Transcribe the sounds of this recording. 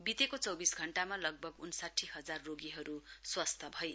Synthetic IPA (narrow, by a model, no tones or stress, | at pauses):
bit̪ekot͡sʌwbisɡʱʌɳʈamalʌɡ̚bʱʌɡunsaʈʰːiɦʌd͡zarːoɡiɦʌɾuswʌst̪ʰʌbʱʌj